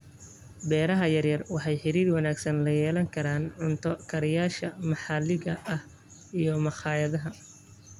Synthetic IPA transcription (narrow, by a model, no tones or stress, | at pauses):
bɛːɾɐɦɐjɐrjɐrwɑħɑjħɪɾiːrwɑnaːɡsɐnlɐjɛːlɐŋkʰɐɾaːnʕʊnt̪ʰɔkʰɐɾɪjaːʃɐmɑħɑlɪɣɐʔɐh | ijɔmɑχɑːjɐðɐɦɐ